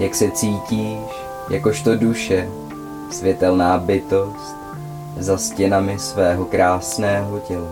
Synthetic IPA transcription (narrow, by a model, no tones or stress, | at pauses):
jaksɛt͡siːciːʃ | ja̰ko̞ʃt̪o̞duʃɛ | svjɛt̪ɛlnaːbɪt̪o̞st̪̚ | zascɛnamɪsvɛːɦo̞kɾʔaːsnɛːɦo̞cɛla